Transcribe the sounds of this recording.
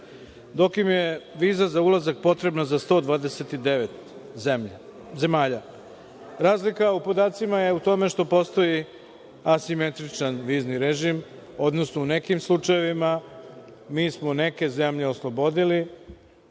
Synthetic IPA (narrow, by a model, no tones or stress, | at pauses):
d̪o̞kimje̞ʋiːzazaulazak̚po̞t̪ɾe̞bnazast̪o̞d̪ʋaːd̪e̞set̪id̪eʋet̪m | ze̞maːʎa | ɾaːzlikaupo̞d̪aːt̪simaje̞ut̪o̞me̞ʃt̪o̞po̞st̪o̞ji | asime̞t̪ɾit͡ʃanʋiːzniɾeʒim | o̞d̪no̞snoune̞kimslˠut͡ʂaje̞ʋima | miːsmone̞ke̞ze̞mʎe̞oslˠo̞bo̞d̪ili